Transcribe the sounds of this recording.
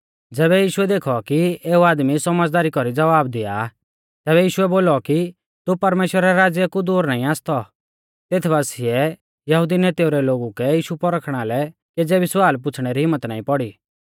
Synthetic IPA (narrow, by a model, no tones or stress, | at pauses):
d͡zɛːβɛjiːʃʊɛd̪eːkʰɔkieːuaːd̪misɔməd͡zd̪aːɾikɔɾid͡zɐʋaːbd̪ɪja̰ | t̪ɛːβɛjiːʃʊɛboːlɔki | t̪upɐɾmeːʃwɾaɾɛɾaːd͡zjəkud̪uːɾnaːĩaːst̪ʰɔ | t̪eːt̪ʰbaːsiɛ | jɐɦuːd̪inet̪jʊɾɛloːɡukɛjiːʃupɔɾəkʰɽ̃alɛ | ked͡zɛʋɪswaːlp̬ʊt͡sʰɽ̃eɾiɦɪmːət̪na̰ːĩpɔɽi